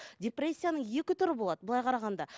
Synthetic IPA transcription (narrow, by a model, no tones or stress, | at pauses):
dʲeprʲe̞sʲːijanəɴje̞kʲɪt̪ʊɾɪbo̞lˠɑd̪əbʊlˠɑjqʰɑɾɑʁɑnd̪ɑ